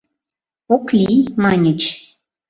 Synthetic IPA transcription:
oklʲimɑnʲə̆t͡ɕ

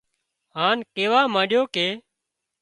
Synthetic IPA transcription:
ɦaːnkeːʋaːmãːɗjoːkeː

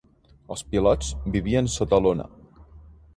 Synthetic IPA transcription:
əlˠspilɔt͡sbiβiənsot̪əlonə̰

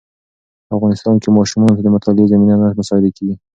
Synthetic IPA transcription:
afɣɑnɪst̪ɑnkemɑʃumɑnot̪ad̪əmʊt̪ʰɑlɪzaminanaɽmʊsɑhɪd̪akeɡi

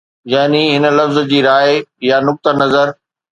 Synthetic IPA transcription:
jaːniɦɪnə̆lɐfz̆d͡ʑiːɾaːɪjanʊk̚t̪ənɐzəɾ

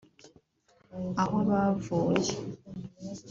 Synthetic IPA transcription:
aholwaːvoːje

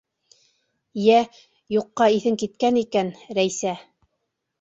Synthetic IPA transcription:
jæ | juqːɑiθɘŋkit̪̚kænikænɾæjsæ

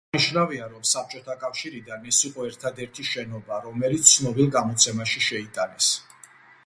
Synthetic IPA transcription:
iʃnaviaɾɔmsap̚ʰt͡ʃʼɔt̪ʰakʼafʃiɾid̪anɛsiqʼɔɛɾt̪ʰad̪ɛɾt̪ʰiʃɛnɔbaɾɔmɛlit̪sʰnɔbilˠɡamɔt̪sʰɛmaʃiʃɛit̪ʼanɛs

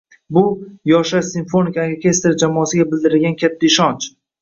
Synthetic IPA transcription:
bʊjɒʃasɪnfo̞nɪkakʲʰest̪ɪɾd͡ʒamɒːsɪɡʲabɪld̪ɪɾɪɡʲankʲʰat̪ʰːaɪʃɒnt͡ʃ

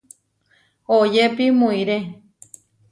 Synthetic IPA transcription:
ojepimũĩɾe

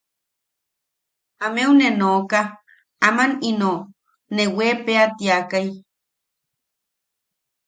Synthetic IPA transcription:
amewnenoka | amanino | newepeat̪jakaj

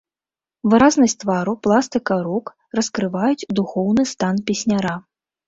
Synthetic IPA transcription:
vɨɾaznɐsʲt̪vaɾuplˠast̪ɨkɐɾuk | rɐskɾɨvajut͡sʲd̪uxɔwnɨst̪anpʲɛsʲnʲaɾa

